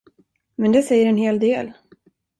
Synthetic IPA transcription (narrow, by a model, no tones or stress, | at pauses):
mɛnd̪ɛsɛjːəɾɛnheːld̪eːl